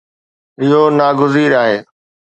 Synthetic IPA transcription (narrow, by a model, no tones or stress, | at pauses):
ɪɦoːnaːɡʊziːɾaːɦeː